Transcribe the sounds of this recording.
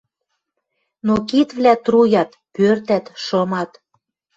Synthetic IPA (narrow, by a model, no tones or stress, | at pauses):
nokit̪βlæt̪rujɑt̪ | pørt̪æt̪ʃɤ̆mɑt̪